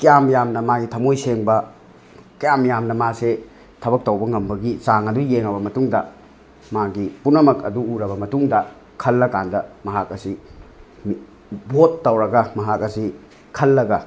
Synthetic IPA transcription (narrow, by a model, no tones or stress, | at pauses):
kijamjamnɐmaɡitʰɐmojseŋbɐ | kɐjamjamnɐmase | tʰɐbɐk̚tɐwbɐŋɐmbɐɡisaŋɐdujeŋɐbɐmɐtuŋdɐ | maɡipunɐmɐkɐ̰duːɾɐβɐmɐtuŋdɐ | kʰɐlːɐkandɐmɐɦakɐsi | m | botːɐwɾɐɡɐmɐɦakɐsi | kʰɐlːɐɡɐ